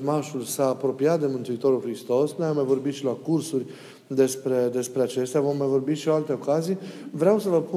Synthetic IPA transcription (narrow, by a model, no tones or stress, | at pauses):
maʃulsaːpɾo̞piat̪̚d̪e̞mɨnt̪uit̪o̞ɾulxɾist̪o̞snujamːajvo̞rbit̪ʃilakursurʲ | d̪e̞spɾe̞d̪e̞spɾeat͡ʃe̞st̪eavo̞mːajvo̞rbit̪ʃioalt̪e̞o̞kazijvɾeawsəvəpu